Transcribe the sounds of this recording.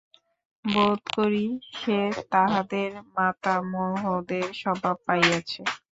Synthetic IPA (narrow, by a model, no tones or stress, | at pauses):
bot̪koɾiʃet̪aɦad̪eɾmat̪amoɦod̪eɾʃɔbʱapajat͡ɕʰe